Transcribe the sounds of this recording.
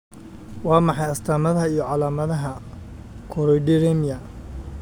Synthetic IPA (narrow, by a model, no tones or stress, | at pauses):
wɑːmɑħɑjɐst̪ʰaːmɐðɐɦɐijɔʕɑlaːmɐðɐɦɐ | kʰɔɾɔjɖɪɾɛmɪjɐ